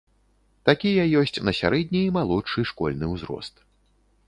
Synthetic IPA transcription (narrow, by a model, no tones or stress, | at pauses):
t̪akʲijɐjɔsʲt͡sʲnɐsʲa̰ɾɛd̪ʲnʲiːmalˠɔʂɨʂkɔ̰lʲnɨwzɾɔ̰st̪